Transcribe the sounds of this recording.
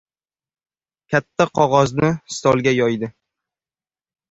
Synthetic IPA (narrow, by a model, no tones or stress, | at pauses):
kʲʰat̪ʰːaqʰɒʁɒznɪst̪ʰɒlˠɡʲajɒjd̪ɪ